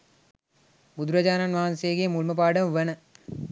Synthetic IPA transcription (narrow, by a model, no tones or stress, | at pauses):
bud̪uɾɐd͡ʒaːnanʋaɦansejːɡemulməpaːɖəməʋənə